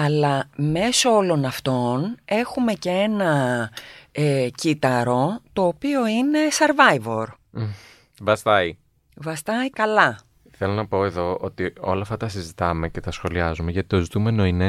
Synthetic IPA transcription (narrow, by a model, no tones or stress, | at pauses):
ɐlɐme̞so̞olo̞nɐft̪o̞ne̞xume̞cee̞nɐ | ecit̪ɐɾo̞t̪o̞ːpio̞ine̞seɾvɐjvo̞̰ɾ | vɐst̪ɐi | vɐst̪ɐikɐlɐ | θe̞lo̞nɐpo̞eðo̞ot̪io̞̰lɐft̪ɐt̪ɐsizit̪ɐme̞ce̞t̪ɐsxo̞liɐzume̞ʝɐt̪it̪o̞zit̪ume̞no̞ine